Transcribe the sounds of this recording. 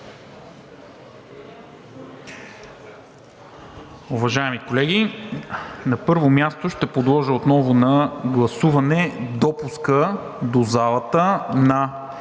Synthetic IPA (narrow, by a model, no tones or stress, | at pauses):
uvɐʒaɛmikolɛɡʲi | nɐpɤɾvomjast̪oʃt̪ɛpod̪lˠɔʒəot̪nɔvʊnɐɡlˠɐsuvɐnɛd̪ɔpuskə | d̪ozalˠɐt̪ənɐ